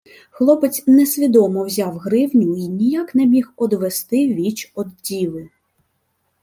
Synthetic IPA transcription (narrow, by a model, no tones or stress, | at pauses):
xlˠɔpet͡sʲnɛsʲʋʲid̪ɔmɔwzʲawɦɾɪwnʲʊinʲijaknɛmʲixɔd̪ʋɛst̪ɪʋʲit͡ʃɔd̪dʲiʋɪ